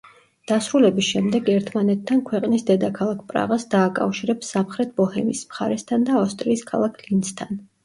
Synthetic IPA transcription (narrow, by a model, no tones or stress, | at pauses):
d̪̥asɾulɛbisʃɛmd̪ɛɡɛɾt̪ʰmanɛt̪ʰːankʰwɛqʼnisd̪ɛd̪akʰalˠakʰpʼɾa̰ʁasd̪aːkʼa̰fʃiɾɛpsamχɾɛt̪ʰbɔhɛmḭsmχaɾɛst̪ʰand̪aːfst̪ʼɾiːskʰalˠakʰlinst̪ʰan